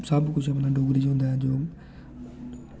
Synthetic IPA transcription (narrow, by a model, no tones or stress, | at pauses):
sabkʊd͡ʑʰapnãɖʱoːɡɾid͡ʑɦũnd̪aːẽd͡ʑoː